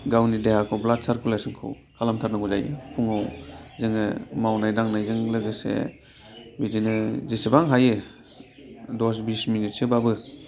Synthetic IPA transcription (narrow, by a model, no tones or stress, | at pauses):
ɡawnidehakʰɔblad̚saɾkulasɯnkʰɯ̰w | kʰalamtʰaɾnaɡɔza̰jɯ̰pʰuŋawzɯŋɯmawnajdaŋnajzɯŋlɯɡɯsḛ | bidinɯzisebaŋɦajɯ | dɔs̬bisminit̚sɯbabɯ